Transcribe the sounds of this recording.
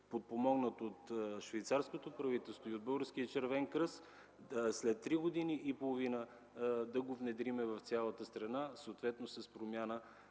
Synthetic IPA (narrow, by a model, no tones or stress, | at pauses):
pot̪̚pomɔɡnət̪ot̪ʃvɛjt̪saɾskot̪opɾɐvit̪ɛlˠst̪voiod̪̚bɤlˠɡəɾsk̟iət͡ʃɛɾvɛŋkɾɤs | slɛt̪ːɾiɡod̪iniʔipolˠovinə | d̪ɐɡovnɛd̪ɾimɛvɐft̪sʲalˠət̪əst̪ɾɐnasəot̪vɛt̪nosɐspɾomʲjanə